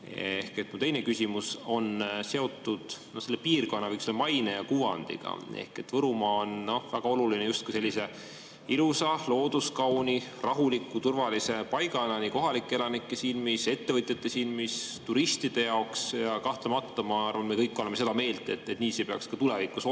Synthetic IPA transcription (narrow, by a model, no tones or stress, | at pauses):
ehke̞t̪ːˑmut̪e̞jne̞kysʲimuso̞nse̞o̞t̪ːˑud̪̥nohselːepiːrko̞nːɑvɤjkselmɑjnejɑkuːɑ̰nd̪̥ḭɡ̥ɑ̰e̞̰hke̞t̪ːvɤɾumɑonno̞væɡ̥ɑo̞lulinejust̪̚kuse̞lːise̞ | ilusɑlo̞ːd̪̥uskɑwnirɑɦulikːˑut̪urvɑlise̞pɑjɡɑelɑniko̞ɦɑlikːˑelɑnikːˑesiːnmise̞t̪ːe̞vɤt̪ʲjɑt̪ːˑe̞siːnmist̪uɾist̪id̪̥e̞jɑoksjɑkɑht̪lɑmɑt̪ːɑmɑɑrvɑnmekɤjkːo̞lemːeed̪ɑme̞ːld̪e̞t̪ːˑet̪niːsepeɑkskɑt̪ulevikːˑuso